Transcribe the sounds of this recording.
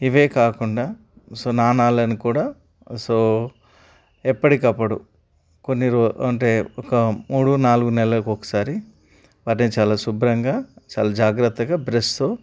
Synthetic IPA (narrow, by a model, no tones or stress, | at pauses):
iʋe̞ːkaːkuɳɖaː | so̞ːnaːnaːlɐnikuːɽaː | soː | ɛpːɐʈikɐpːɐɽṵ | konːiɾoɐɳʈe̞ːɔkɐmuːɽunaːluɡunɛlɐlɐkɔkɐ̥saːɾi | ʋaːʈ̬neːt͡ʃaːlaːsubɾɐŋɡaːt͡ʃaːlaːd͡ʒaːɡɾɐt̪ːɐɡaːbɾest̪o̞ː